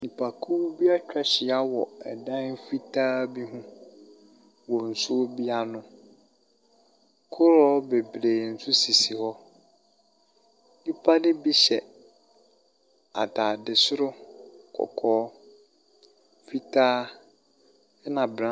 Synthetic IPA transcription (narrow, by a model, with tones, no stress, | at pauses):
nĩ˨pʰa˨kʰu˦bi˦a˦t͡ɕᶣa˨ɕɪ˨a˦wɔ˨ɛ̰˨dã˦nfi˦tʰaː˦bi˦ɦũ˦ | wɔ˨n̩˨su˦o˦bi˦a˦nʊ̃˦ | kʰʊ˦ɾɔː˦be˨bɾeː˨n̩˨sʊ˦si˨si˨hɔ˦ | nĩ˦pʰa˦dɪ˦bi˦ɕɛ˨ | a̰˨tʰaː˨dɪ˨sʊ˦ɾʊ˦kʰɔ̰˨kʰɔː˨˦ | fi˦tʰaː˦ | ɛ˦nã˨bɾã˦